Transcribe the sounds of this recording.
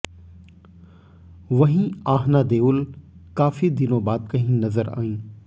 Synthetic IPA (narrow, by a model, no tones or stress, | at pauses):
ʋɐɦĩaːɦnaːd̪eːʊlkaːfid̪ɪnõːbaːd̪̚kɐɦĩnɐzəɾa̰ːĩː